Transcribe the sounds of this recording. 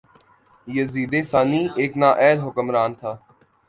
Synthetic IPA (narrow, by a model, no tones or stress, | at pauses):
jəziːd̪eːsaːniːeːknaːʔɛːlɦʊkəmɾaːnt̪ʰaː